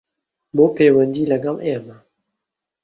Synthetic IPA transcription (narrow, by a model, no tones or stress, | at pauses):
boːpeːwɛnd̪iːlɐɡɑleːma